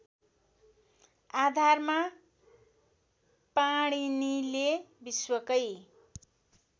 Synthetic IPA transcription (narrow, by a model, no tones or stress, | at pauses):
ad̪ʱarma | paɽ̃inilebiswʌkʌj